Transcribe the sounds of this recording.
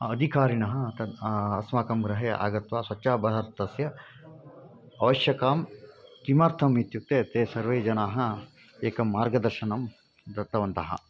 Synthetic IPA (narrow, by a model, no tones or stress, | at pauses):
ɐd̪ʱikaːɾinɐɦɐ̆t̪ɐɐsmaːkɐmɡɾɐɦeːʔa̰ːɡɐt̪ʋaːsʋɐtːʃaːbɐɦɐɾt̪ɐsjɐ | ʋɐʃjɐkaːmkimɐɾt̪ʰɐmit̪juk̚t̪eːt̪eːsɐɾʋeːd͡ʒɐnaːɦɐ | eːkɐmːaːɾɡɐd̪ɐɾʃɐnɐm | d̪ɐt̪ːɐʋɐnt̪ɐɦɐ̰